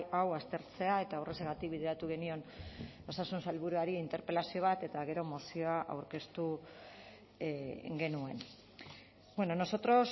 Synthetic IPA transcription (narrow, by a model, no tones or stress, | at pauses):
awast̪e̞ɾt͡se̞ae̞t̪aoreseɣat̪ikβiðe̞ɾat̪uɣ̞e̞nio̞no̞sasunsalβuɾuaɾiːnt̪e̞ɾpe̞lasio̞β̞at̪e̞t̪aɣ̞e̞ɾo̞mosio̞aʔa̰wɾke̞st̪u | ŋɡe̞nue̞̰n | bweno̞no̞so̞t̪ɾo̞s